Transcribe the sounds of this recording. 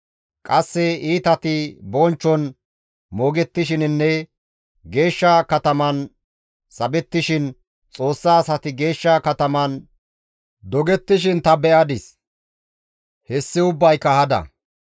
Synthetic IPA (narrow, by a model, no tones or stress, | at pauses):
kʼɐsːɛiːt̪ɐt̪ɪbɔnt͡ʃːɔn | moːɡɛt̪ːɪʃ̬ɪnnːɛ | ɡe̞ːʃːɐkɐt̪ɐmɐn | sɐbɛt̪ːɪʃɪn | t͡sʼo̞ːsːaːsɐt̪ɪɡe̞ːʃːɐkɐt̪ɐmɐn | d̪ɔɡɛt̪ːɪʃ̬ɪnt̪ɐbɛʔɐd̪ɪs | hɛsːɪʊbːɐjkɐhɐd̪ɐ̰